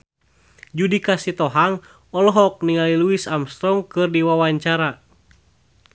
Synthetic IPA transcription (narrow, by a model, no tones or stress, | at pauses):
d͡ʒudikasit̪ɔɦaŋ | ɔlɔɦɔk̚niŋaliluisamst̪ɾɔŋkɨrdiwawaɲt͡ʃaɾa